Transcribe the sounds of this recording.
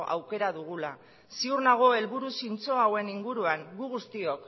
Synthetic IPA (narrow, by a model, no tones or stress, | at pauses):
ʔa̰wke̞ɾaðuɣula | siurnaɣ̞o̞e̞lβuɾusint͡so̞awe̞niŋɡuɾuaŋɡuɣust̪io̞k